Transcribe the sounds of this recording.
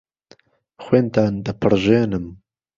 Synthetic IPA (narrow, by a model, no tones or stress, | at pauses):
xweːnt̪aːnd̪ɨpʰɨɾʒeːnɨm